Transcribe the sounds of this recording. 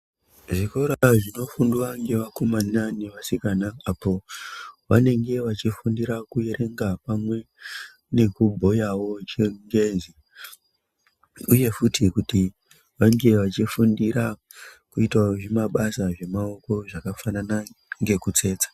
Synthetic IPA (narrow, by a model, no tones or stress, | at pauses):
ʐiko̞ɾaʐino̞funduwaŋɡe̞ʋakomananeʋasikanaapo̞ʋa̰ne̞ŋɡe̞ʋat͡ʃifundiɾakujeɾʔe̞ŋɡapamwe̞ | ne̞kubʱo̞jawo̞t͡ʃeŋɡezi | uje̞futʰikuti | ʋaŋɡe̞ʋat͡ʃifundiɾa | kuitwaʐimaɓasaʐe̞mao̞ko̞ʐakafananaŋɡe̞kut͡se̞ːt͡sḁ